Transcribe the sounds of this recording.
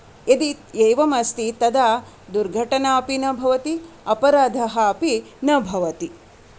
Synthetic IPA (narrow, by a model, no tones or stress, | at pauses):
ed̪iejʋɐmɐst̪it̪ɐd̪aː | d̪uɾɡʱɐʈɐnaɐpinɐbʱɐʋɐt̪i | ɐpɐɾaːd̪ʱɐɦɐːpinɐbʱɐʋɐt̪i